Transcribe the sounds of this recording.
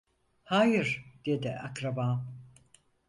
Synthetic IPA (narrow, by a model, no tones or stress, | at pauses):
haːjɯɾd̪ed̪ɪʔakɾabaːm